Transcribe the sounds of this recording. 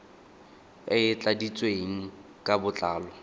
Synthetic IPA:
ɪɪt͡ɬʼadit͡sʼweŋ̩ | kʼabʊt͡ɬʼaːlɔ

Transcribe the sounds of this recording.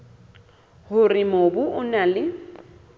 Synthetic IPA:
hʊrɪmobʊʔʊnalɪ

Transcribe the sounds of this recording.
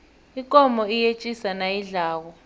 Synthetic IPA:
ikʼɔmɔijet͡ʃʼisanajiɮaːkɔ

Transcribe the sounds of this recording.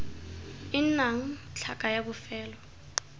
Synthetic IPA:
inaŋ̩t͡ɬʰaɡ̥ʼajaɓʊfɛːlɔ

